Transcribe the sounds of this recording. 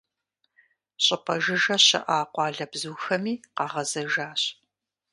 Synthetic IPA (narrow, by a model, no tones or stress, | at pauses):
ɕʼɪpʰʼɐʒɨʒɐɕɐ̰ʔaːqʷɑːɮɐbzuːxɐmiːqɑʁɐzɐʒaːɕ